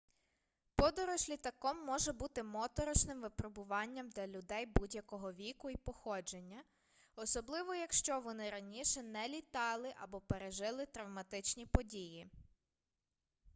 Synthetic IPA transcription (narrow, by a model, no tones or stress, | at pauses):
pɔd̪ɔɾɔʒlʲit̪ɐkɔmːɔʒɛbut̪ɪmɔt̪ɔɾɔʃnɪmʋɪpɾɔbʊʋɑnʲːɐmd̪lʲɐlʲʊd̪ɛjbudʲjɐkɔɦɔʋʲikʊipɔxɔd͡ʒenʲːɐ | ɔsɔblˠɪʋɔjɐkʃt͡ʃɔʋɔnɪɾɐnʲiʃɛnɛlʲit̪ɑlˠɪʔɐbɔpeɾeʒɪlˠɪt̪ɾɐwmɐt̪ɪt͡ʃnʲipɔdʲiji